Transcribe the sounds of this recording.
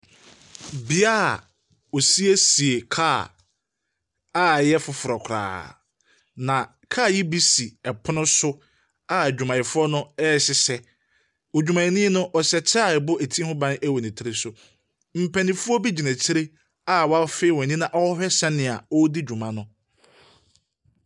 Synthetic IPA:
bi˨a˦a˨ | ɔ˨si˦e˦si˨e˨kʰaː˦˨ | a˦jɛ˦fʊ˨fʊ˨ɾɔ˨kʰɾa̰ː˨ | nã˨ | kʰaː˦˨ji˦bi˦si˨ɛ˨pʰʊ˦nʊ̃˦sʊ˦ | a˦˨d͡ʑᶣu˨mã˨ɪ˨fʊ˦ɔ˦nʊ̃˦ɛ˦˨ɕɪ˦sɛ˦ | o˨d͡ʑᶣu˨mã˨ɪ˨nɪ̃˦nʊ̃˦ʔɔ˨ɕɛ˨t͡ɕʰaː˦˨bʊ˦æ˨tʰĩ˦hʊ̃˦bã˦n˦æ˦wo˨nɪ̃˨tʰɪ˦ɾe˨sʊ˨ | m̩˨pʰæ̃˨nɪ̃˨fu˦ɔ˦bi˦d͡ʑi˨næ̃˨t͡ɕʰɪ˦ɾe˦ | a˨wa˦feː˦wɔ̃˨nĩ˦nã˨ʔɔ˦hᶣɛ˦sɛ̃˦nɪ̃˨a̰˨ɔ˦di˦d͡ʑᶣũ˨mã˨nʊ̃˦

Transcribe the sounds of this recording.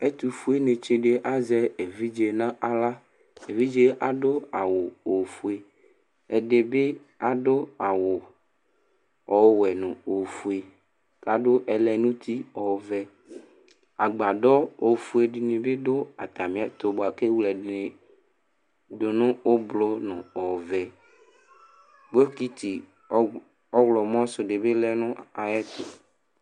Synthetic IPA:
e˦t̪u˨fu˦e˦nẽ˨t͡ʃe˦ɖe˨ʔa˦zɛ˦e˨vi˦d͡ʒe˨nã˦a˨la˦ | e˨vi˦d͡ʒe˦ʔa˨ɖo˦a˨wo˨o˨fu˦e˨ | e˨ɖe˨be˦ | a˨ɖo˦a˨wo˨ | ɔ˨˦wɛ˨nṵ̃˨o˨fu˨e˨ | ka˨ɖo˦ʔɛ˨lɛ˨nũ˦t̪ʰi˦ɔ˨˦vɛ˦ | a˨ɡ͡ba˨ɖɔ˦o˨fu˦e˨di˨nẽ˨be˦do˦a˨t̪a˨mĩ˨˦ɛ˨t̪o˨bo˨a˨ke˦wlɛ˨di˨ne˨ | do˨nʊ̃˦o˦blo˦nʊ̰̃˨ɔ˨vɛ˨ | ɡ͡bo˦ki˦t̪i˨ | ɔ˦wlɔ˨m˦ɔ̃˦sʊ˨ɖe˨be˦lɛ˦nʊ̃˦a˨jɛ˦t̪o˨

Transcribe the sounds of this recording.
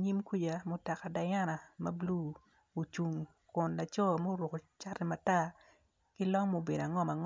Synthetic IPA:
ɲi˦mku˦d͡ʒa˨mo˦ta˨ka˨da˨ja˦na˨mɐ˦blu˦ | o˨t͡ʃu˨ŋ | kʊ˨nla˨t͡ʃɔ˦mo˦ɾʊ˨ko˨t͡ʃa˦ri˦ma˨ta˦ | kɪ˦lɔ˦ŋmo˦be˨da˨ŋɔ˦ma˨ŋ

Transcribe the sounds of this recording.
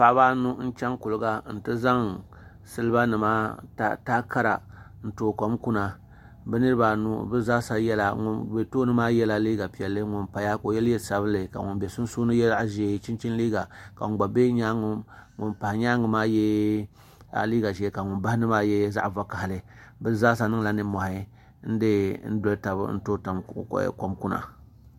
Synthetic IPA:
pa˨˦ba˦nu˦n̩˦t͡ʃa˦ŋku˨lɨ˨ɡa˦n̩˨tɨ˦za˦ŋ | sɨ˦lɨ˦ba˦nɨ˨maː˦ta˦taː˦ka˦ɾa̰˨ | n̩˨toː˨ko˨mku˦na˨ | bɛ˦nɨ˦ɾɨ˦baː˨nu˦bɨ˦za˦sa˦jɛ˦la̰˨ŋṵ˨be˨toː˦nɨ˦maː˦jɛ˦la˨liː˦ɡa˨pi˨ɛ˨lːɨ˦ŋʊ˨npa˨ja˦ko˨jɛ˦ljɛ˦˨sa˨βɨ˦nlɨ˨ka̰˨ŋʊ˨nbe˨sʊ˦n˦suː˦nɨ˦jɛ˦a˦ʔʒe˨˦t͡ʃi˦nt͡ʃi˦nliː˦ɡa˨ka̰˨ŋ˨ɡ͡ba˨be˦ɲa˦ŋ˨ŋʊ˨npa˨hɪ˨ɲa˦ŋɨ˨maː˦jɛ˦ | a̰˨liː˦ɡa˨ʒɛ˨˦ka˨ŋʊ˨nba˦hɪ˦nɨ˦maː˦jɛ˦za̰˦ʔva˦ka˨hɪ˨lɨ˨bɨ˦zaː˦s̬a˦nɨ˦ŋ˦la˨nɨ˨mɔ˨hɪ˨ | n̩˦dɨ˦n̩˦do˨lta˨bɨ̰˦n̩˦toː˦ta˨m˨ko˨mku˦na̰˨

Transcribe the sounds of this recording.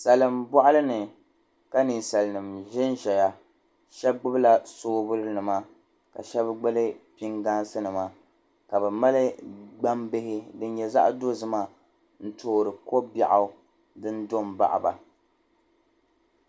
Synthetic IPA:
sa˨lɨ˨mbɔ˦ʔa˦lɨ˦nɨ˨ | ka˦ni˨nsa˨lɨ˨nɨ˨mʒɪ˦nʒɛ˨ja˦ | ʃɛ˦b̚ɡ͡bʊ˦bla˦soː˦bʊ˦lɨ˦nɨ˨ma˦ | ka̰˨ʃɛ˦bɡ͡bɛ˦lɨ˦pi˦ŋɡa˦nsɨ˦nɨ˨ma˦ | ka˨bɛ˨ma˦lɨ˦ɡ͡ba˦mbɪ˦hɪ˦dɨ˦n˦jɛ˨za̰˦ʔdo˦zɨ˦ma˨ | n̩˦tʰoː˦ɾɨ˨ko˦ba˨ʔa˨˦ | dɨ˦ndo˦˨m˨ba̰˦ʔa̰˨ba̰˨

